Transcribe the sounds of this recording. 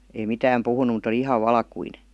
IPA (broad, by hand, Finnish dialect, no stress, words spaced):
ei mitæːm puhunu mut oli ihɑʋ ʋɑlkuine